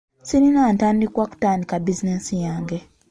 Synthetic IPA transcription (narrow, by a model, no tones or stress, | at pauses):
siɾinaːntaːndikwaku̥taːndikabizinesijaːŋɡe